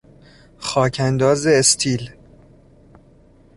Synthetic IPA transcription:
xɒːcʰænd̪ɒːzeːst̪ʰiːl

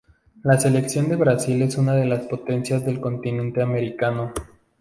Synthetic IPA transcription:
lase̞le̞ksjo̞nd̪e̞βɾasile̞sunaðe̞laspo̞t̪e̞nsjazðe̞lko̞nt̪inẽ̞nt̪e̞ame̞ɾikano̞

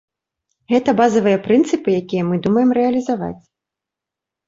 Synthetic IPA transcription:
ɣɛt̪ɐbazɐvɨjɐpɾɨnt̪sɨpɨjakʲijɐmɨd̪umɐjɛmɾɛɐlʲizava̰t͡sʲ

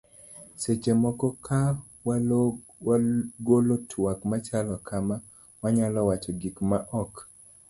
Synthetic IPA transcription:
set͡ʃemɔkɔkʰa | wa | wɡolotʰwakmat͡ʃalɔkʰama | waɲalɔwat͡ʃɔɡikmaʔɔk

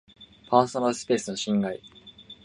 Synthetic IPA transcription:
pʰaːsonaɾɯsɨ̥pe̞ːsɨno̞ɕĩŋɡai

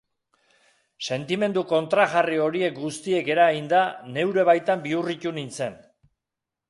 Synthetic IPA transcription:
se̞nt̪ime̞nd̪uko̞nt̪ɾaɣario̞ɾie̞k̚ɡust̪ie̞ke̞ɾaɣind̪ane̞wɾe̞β̞ajt̪ambiuric̪unint͡se̞n

